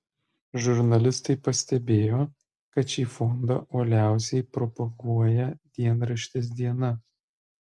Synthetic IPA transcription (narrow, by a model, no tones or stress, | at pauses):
ʒʊɾnɐlʲɪst̪ɐɪpɐsʲt̪ʲɛbʲeːjoː | kɐt̪ʃʲiːfɔnd̪ɐ̰ʔoːlʲæˑʊsʲɛɪpɾɔpɐɡuɔjɛd̪ʲiɛnɾɐʃʲt̪ʲɪs̬d̪ʲiɛnɐ